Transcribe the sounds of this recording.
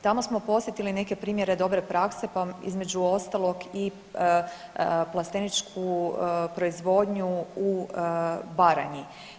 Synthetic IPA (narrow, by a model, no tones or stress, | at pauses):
t̪amo̞smo̞po̞sje̞t̪iline̞ke̞pɾiːmje̞ɾe̞d̪o̞bɾe̞pɾakse̞paḭzme̞d͡ʑuo̞st̪alˠo̞ɡi | plˠast̪enit͡ʃkʰupɾo̞izʋo̞ːd̪ɲuu | baɾaɲi